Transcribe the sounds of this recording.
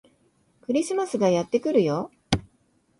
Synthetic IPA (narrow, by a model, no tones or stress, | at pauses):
kɯ̟ɾʲisɨmasɨɡajat̪ːe̞kɯ̟ɾɯ̟jo̞